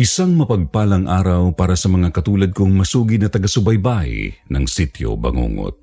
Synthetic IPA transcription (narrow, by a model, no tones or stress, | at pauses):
ʔɪsaŋmɐpɐɡ̚paːlɐŋʔa̰ːɾɐwpaːɾɐsɐmɐŋakɐt̪uːlɐd̪̚koŋmɐsuːɡɪd̪̚nɐt̪ɐɡasʊbɐjbaj̰nɐŋsit̪jo̰bɐ̰ŋṵːŋo̰t̪̚